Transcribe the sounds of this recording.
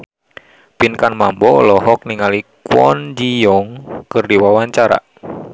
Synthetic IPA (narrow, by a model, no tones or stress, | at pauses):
pinkanmambɔ̰ːlɔɦɔk̚niŋalikwɔ̰nd͡ʒijɔŋkɨrdiwawaɲt͡ʃaɾa̰ʔ